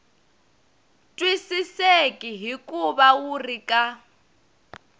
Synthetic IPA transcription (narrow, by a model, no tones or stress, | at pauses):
tʼwisisekʼiɦikʼuβawurikʼa